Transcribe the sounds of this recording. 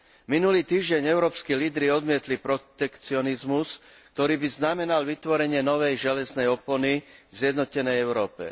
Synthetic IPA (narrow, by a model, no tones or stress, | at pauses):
minuliːt̪iːʒɟɛɲɛʊɾɔːpskiliːd̪ɾiɔd̪mɪɛt̪lipɾɔt̪ɛkt͡siɔnizmusk̚t̪ɔɾiːbiznamɛnalʋit̪ʋɔɾɛɲɪɛnɔʋɛjʒɛlɛznɛjɔpɔnizɪjɛd̪nɔcɛnɛjɛʊɾɔːpɛ̰